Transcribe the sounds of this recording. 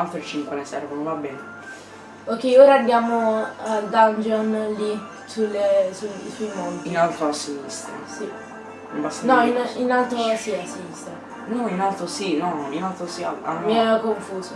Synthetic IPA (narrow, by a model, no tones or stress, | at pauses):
alt̪ɾet͡ʃiŋkwenesɛrvonovabːɛːne | okːɛjoːɾaːbːjaːmod̪and͡ʒonli | sulesusuimond̪iinalt̪ɾoasuvist̪ḛ | si | imbast̪anɔininalt̪ɾosiasːevist̪e | nɔinalt̪ɾosinɔinalt̪ɾosiaa̰miɛkoɱfuːso